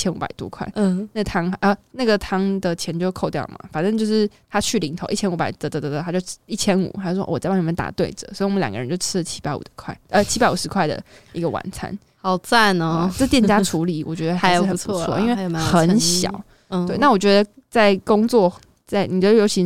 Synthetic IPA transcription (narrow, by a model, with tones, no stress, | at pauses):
t͡ɕʰjɛ˥nṵ˧˥pa̰˨˩ɪt̪ṵ˦kʰwa̰˥˩ɪ˩na˥˩ə˩t̪ʰɑ˥ŋʔə˧˩na˥˩ɡə˩t̪ʰɑ˥ŋd̪ə˨t͡ɕʰjɛ˧˥nt͡ɕjo˧ʊ˧˥kʰo˥˧ʊt̪jɑ˥˩ʊ˨mɐ̰˩fa˨˩nʈ͡ʂɤ˥˧ŋt͡ɕjo˥˧ʊʂɻ̩˥˩ | t̪ʰa˥t͡ɕʰy˥˩li˧˥ŋt̪ʰo˨˧ʊʔi˥˩t͡ɕʰjɛ˥nu˧˥pa̰˨˩ɪt̪ə˧˩d̪ə˧˩d̪ə˩t̪ʰt͡ɕjo˥˧ʊi˥˩t͡ɕʰjɛ˥nṵ˨˩xa˧˥ʂwɔ̰˥wɔ˨˩t͡sɪpɑ˥˩ni˨˧m˧˦nt̪a̰˨˩t̪we˥˩ɪʈ͡ʂə˨˩swɔ˧˥i˨˩wɔ˨m˦ljɑ˨ŋɡə˦˧ə˧˦t͡ɕo˥˧˩ʊʈ͡ʂʰɻ̩˥˧t͡ɕʰi˥pa˧˥ɪṵ˨˩˧kʰwa̰˥˩ɪə˧˩t͡ɕʰi˥a˧ɪu˨˩ʂɻ̩˧˥kʰwa˥˩ɪd̪ə̰˩ | i˧˥ɡə˧wa̰˨˩nt͡sʰa̰˥n | xɑ˨˩ʊt͡sa˥˩nə˨ʈ͡ʂə˥t̪jɛ˥˩nt͡ɕja˥ʈ͡ʂʰu˧˥li˨˩˦wʔɔ˨˩t͡ɕɥɛ˧˥d̪ə˧˥jʂ̩˨˥˩xə˨nʰuu˦˥t͡sʰwɔ̰˥˧ʔi˥nwe˥˩xə˨˦˧nɕjɑ̰˨˩˦ʊ | t̪we˥˩ɪna˥˩wɔ˨˩t͡ɕɥɛ˧˦d̪ə˧t͡sa˥˩ɪkʊ˥ŋt͡swɔ˥˩ | t͡sa˥˩ɪni˨˩t͡ɕɥɛ˧˥˧jo˧˥ʊt͡ɕʰi˧˥